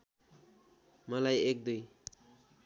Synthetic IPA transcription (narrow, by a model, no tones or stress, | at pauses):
mʌlajek̚d̪uj